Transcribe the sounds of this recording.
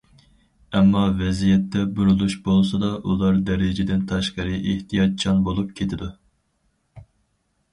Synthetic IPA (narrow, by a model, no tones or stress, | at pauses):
ɛmːɑvɛzijɛt̪ːɛbuɾulˠuʃbolˠsɑd̪ɑʔulˠɑɾd̪ɛɾɪd͡ʒed̪ɪnt̪ʰɑʃqɑɾɨʔeht̪ʰijɑt̪̚t͡ʃʰɑnbolˠup̚kʲʰet̪ʰɪd̪u